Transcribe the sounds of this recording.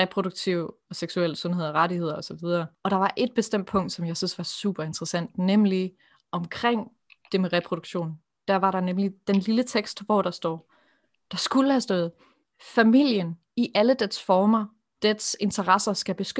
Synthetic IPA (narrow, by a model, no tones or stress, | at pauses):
ʁɛpʰʁo̝d̥uɡ̥̚t͡sʰiʊɒ̽seɡ̥suel̰əsɔ̽nɦe̝ð̞̰ˠɒʁɑɾihe̝ð̞̰ˠɐɒ̽sɒ̽ʋið̞ˠɐːɒ̽ɾ̥ɑ̈ʋɑ̈ʔe̝d̥̚b̥e̝sd̥em̰d̥̚pʰɔ̽ŋ̰d̥sɒ̽mjɑ̈ɪsynsʋɑ̈sṵːb̥ɐe̝nd̥ʁɐsæn̰d̥nemli | ɒ̽mkʰʁeŋ̰ | d̥e̝meʁɛpʰʁoɾ̥uɡ̥ɕo̝̰ːn | d̥æɐ̰ʋɑ̈ɾɑ̈nemlid̥enlilət͡sʰeɡ̥sd̥ʋɒːɾ̥ɑ̈sd̥ɒ̰ː | d̥ɑ̈sɡ̥uləhæsd̥ɔ̽ːð̩ˠ | fæmil̰jən | iʔæləd̥edsfɒːmɐ | d̥edse̝nt͡sʰɐʁasɐsɡ̥æb̥e̝sɡ̥ø